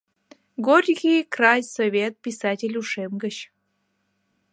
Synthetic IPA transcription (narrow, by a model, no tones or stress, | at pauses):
ɡorʲɣʲijkrajsovʲet̪̚pʲisatʲelʲuʂemɡəɕ